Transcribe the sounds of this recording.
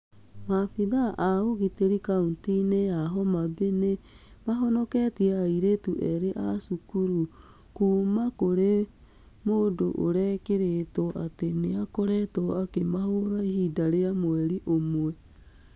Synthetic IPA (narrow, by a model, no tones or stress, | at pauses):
mafiðaʔaoɣiteɾikauntineaɦɔmabene | maɦɔnɔkɛtiɛaiɾetuʔɛɾeʔasukuɾu | kuːmakoɾe | moːdoʔoɾɛkeɾetɔʔateneakoɾɛtɔakemahoɾaihidaɾeamoɛɾiʔomwɛ